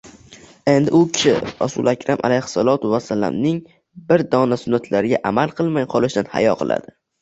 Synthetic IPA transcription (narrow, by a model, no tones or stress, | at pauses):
e̞nd̪ɪʊkʲʰɪɪɾa̰sulˠakʰʲɾamʔa̰lejhsalˠɒt̪wasːala̰mnɪŋ | bɪɾd̪ɒnasʊnːat̪ʰlaɾɪɡʲaʔamalˠqʰɨlˠmajqʰɒlˠɪʃd̪anha̰jɒqʰɨ̰lˠa̰d̪̥ɪ